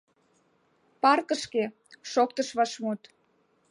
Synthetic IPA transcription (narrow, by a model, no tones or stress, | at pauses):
pɑrkəʃke | ʃok̚t̪əʃβɑʃmut̪